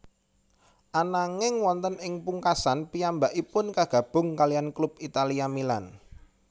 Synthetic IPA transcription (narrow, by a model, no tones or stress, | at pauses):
ʔanaŋɪŋwɔnt̪ənɪŋpuŋkasanpijambaʔipʊnkaɡ̥ä̤b̥ʊ̤ŋkalianklʊb̥it̪aliamila̰n